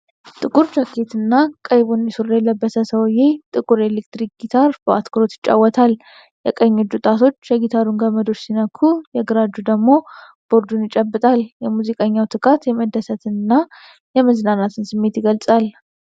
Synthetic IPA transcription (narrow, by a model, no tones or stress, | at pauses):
t̪ʼɨkʼuɾd͡ʒakʰːet̪ɨnːakʼəjβunjɛsuɾːajɛlːəbːəsəsəwjet̪ʼɨkʼuɾe̞lekt̪ɾik̚ɡ̥it̪ʰaɾbʔa̰t̪kʰɨɾo̞t̪jɪt͡ʃʼːa̰wːɔt̪ʰal | jɛkʼəɲːod͡ʒut̪ʼat̪ʰo̞t͡ʃːjɛɡit̪ʰaɾuŋɡəməd̪o̞t͡ʃsinəkʰːujɛɡɨɾad͡ʒud̪əɡmo̞ | b̥o̞ɾd̪unjɪt͡ʃʼəbːɨt̪ʼaljɛmuzikʼəɲːawt̪ʰʼɨkʰʼat̪jɛməd̪ːəsət̪ʰɨnɨnːa | jɛməznanat̪ʰɨnsɨmːe̞t̪jɪɡəlsʼal